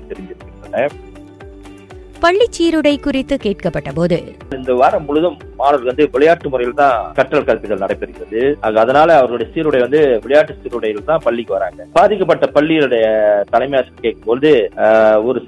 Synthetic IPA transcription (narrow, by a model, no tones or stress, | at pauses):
t̪ɛɾɪɲd͡ʒɪɾɯkːɪnɐnːɐ | pɐɭːɪt͡ʃːiːɾɯɽɐɪkʊrɪt̪ːɯkeːʈkɐpːɐʈːɐpoːðɯ | ɪnd̪ɐʋaːɾɐmːʊɻɯðɯmːaːnɐɾʋɐnd̪ɯʋɪɭɐjaːʈːɯmʊɾɐjɪlt̪ãːkɐʈːɐlkɐɾɐpːɪɣɐlnɐɽɐɪpːɪɾɯkːɪɾɐðɯɐːɣɐːðɐnaːlɐːʋɐɾɣɐɭʊɽɐjɐsiːɾɯɽɐɪʋɐnd̪ɯʋɪɭɐjaːʈːɯsiːɾɯɽɐjɪlt̪ãːpɐɭːɪkːɯʋɐɾaːŋɡɐbaːðɪk̬ːɐp̬ːɐʈːɐpɐɭːɪjɪlɯɽɐjɐt̪ɐlɐɪmɐjaːskːkeːkːɯmpɔɻɯðɯ | ɔɾɯ